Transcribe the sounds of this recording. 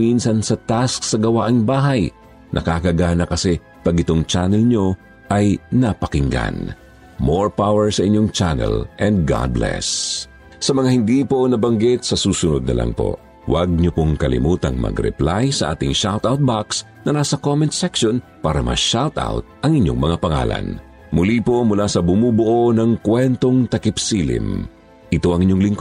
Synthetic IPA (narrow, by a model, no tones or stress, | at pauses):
minsɐnsɐt̪asksɐɡɐwaʔɐŋbaːɦɐj | nʔɐ̰kakɐɡaːnɐkɐsɛ | pɐɡɪt̪oŋt͡ʃanɛlɲo̞ | ʔɐjnɐpɐkɪŋɡa̰n | moɹpawɛɹsɐʔɪɲːoŋt͡ʃanɛ̰lʔɛnd̪̚ɡa̰d̪̚blɛ̰s | sɐmɐŋahɪnd̪iːponɐbɐŋɡɪt̪̚sɐsuːsʊnod̪̚nɐ̰lʔɐ̰ŋpo̰ | wɐɡ̚ɲopoŋkɐlɪ̰muːt̪ɐŋmɐ̰ɡɾɛ̰plajsɐʔa̰ːt̪ɪŋʃawt̪awt̪̚baks | nɐnaːsɐkomɛnt̪sɛkʃon | paːɾɐmɐ̰ʃawt̪a̰wt̪̚ʔɐŋɪɲo̞ŋmɐŋapɐŋa̰ːlɐ̰n | mʊlipomʊlasɐbʊmuːbʊʔonɐŋkwɛnt̪o̞ŋt̪ɐkɪpsiːlɪ̰m | ʔɪt̪o̞ʔɐŋɪɲjoŋlɪŋko